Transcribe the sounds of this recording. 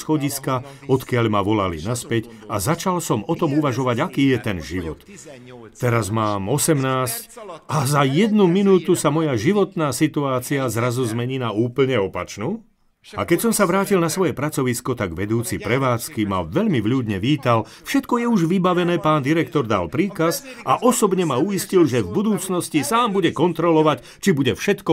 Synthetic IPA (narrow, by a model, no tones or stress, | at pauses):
sxɔɟiska | ɔt̪kɪaʎmaʋɔlalḭnaspɛc | azat͡ʃalsɔmɔt̪ɔmuʋaʒɔʋaɟakiːjɛt̪ɛnʒiʋɔ̰t̪ː | ɛɾazmaːmɔsɛmnaːscazajɛd̪numinuːt̪usamɔjaʒiʋɔt̪naːsit̪uaːt͡siazɾazuzmɛɲiːnauːpl̩ɲɛɔpat͡ʃnuː | a̰kɛcsɔmsaʋɾaːcilnasʋɔjɛpɾat͡sɔʋiskɔt̪aɡʋɛd̪uːt͡sipɾɛʋaːt͡skima̰ʋɛʎmiʋʎuːd̪ɲɛʋiːt̪al | fʃɛt̪kɔjɛuʒʋibaʋɛnɛːpaːnd̪iɾɛkt̪ɔɾd̪a̰lpɾiːkazʔaʔɔsɔbɲɛmaujiscilʒɛvbud̪uːt͡snɔscisaːmbuɟɛkɔnt̪ɾɔlɔʋac | t͡ʃibuɟɛfʃɛt̪kɔ